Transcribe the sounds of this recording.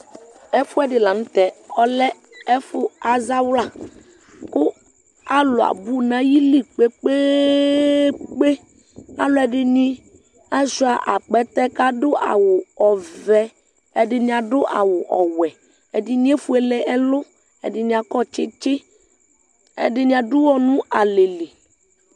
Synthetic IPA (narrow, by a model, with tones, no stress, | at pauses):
ɛ˦fʊ˦ɛ˦ɖɪ˨la˨nũ˦t̪ɛ˨ɔ˦lɛ˦ | ɛ˦fʊ˦a˦za˦wla˨ | kʊ˦ | a˦lo˨a̰˨bu˦nã˦ji˦li˦k͡pe˦k͡pe˦ | k͡pe˦ | a̰˦lo˦ɛ˨ɖɪ˦nĩ˦ | a˦zu˦a˨ʔa̰˨k͡pɛ˨t̪ɛ˦ka˦dʊ˦a̰˨wʊ˨ɔ˨vɛ˨ | ɛ˦dɪ˦ɲĩ˦ã˨dʊ˦ʔa̰˨wʊ˨ʔɔ˨wɛ˨ | ɛ˨dɪ˦nĩ˦e˦fu˦ɛ˨lɛ˦ʔɛ˦lʊ˦ | ɛ̰˨dɪ˦nĩ˨a˨kɔ˦˨t͡ʃɪ˦t͡ʃɪ˦ | ɛ̰˦dɪ˨ɲĩ˨˦a˨du˦wɔ˦nũ˦a˨le˨le˨